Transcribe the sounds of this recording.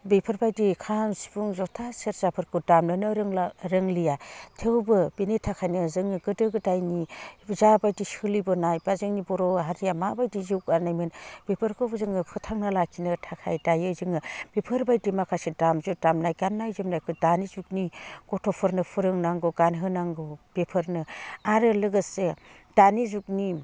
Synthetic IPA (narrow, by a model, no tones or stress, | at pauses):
bepʰɯɾbajdikʰansi̥buŋzɔtʰaseɾzapʰɯɾkʰɯdamnɯnɯɾŋɾɯŋlijatʰewbɯbinetʰakʰajnɯzɯŋɯɡɯdɯɡɯdajnizabajdisɯlibɯnajbazɯŋnibɔɾɔɦaɾijamabajdizɯwkaɾnajmɯnb̥epʰɯɾkʰɔbzɯŋɯpʰɯtʰaŋnɯlakʰinɯtʰakʰa̰jdajɯzɯŋɯb̥epʰɯɾbajdemakʰasedamzɯdamnajɡanːajzɯmnajkʰɯdanizuk̚niɡ̥ɔtʰɔpʰɔɾnɯpʰɯɾɯŋnaŋɡɯɡanɦɯnaŋɡɯb̥epʰɯɾnɯaɾɯlɯɡɯse | d̥anizuk̚ni